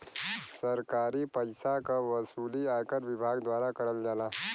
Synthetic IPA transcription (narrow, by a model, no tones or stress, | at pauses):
səɾkaɾipəjsakaʋəsuːliajkəɾʋɪbʱaɡd̪ʋaːɾakəɾəld͡ʒaːla